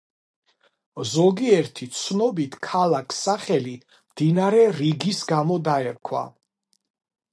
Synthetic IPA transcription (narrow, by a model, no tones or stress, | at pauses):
zɔɡiɛɾt̪ʰit̪sʰnɔbit̪ʰkʰalˠakʰsaχɛli | md̪̥inaɾɛɾiɡisɡamɔd̪aɛɾkʰwa̰